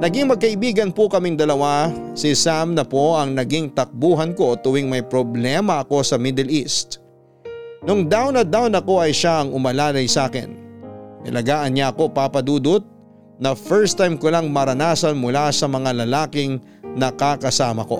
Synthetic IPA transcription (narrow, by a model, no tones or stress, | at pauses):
nɐɡiŋmɐɡ̚kɐʔɪbiːɡɐnpʊkɐmɪŋd̪ɐlɐwasɪsamnɐpo̞ʔɐŋnɐɡiŋt̪ɐk̚buːɦɐnko̞ʔot̪ʊwɪŋmɐjpɾoblɛːmɐʔɐko̞sɐmɪd̪ɛlist̪ | nʊŋd̪awnɐd̪awnɐko̞ʔɐjʃaʔɐŋʊmɐlaːlɐjsaːkɪ̰nːɐ̰lɐɡaːʔɐnɲaʔɐko̞paːpɐd̪uːd̪ʊt̪̚ | nɐfɛɹst̪ajmkolaŋmɐɾɐnaːsɐnmʊlasɐmɐŋalɐlaːkɪŋ | nɐkakɐsaːmɐko̞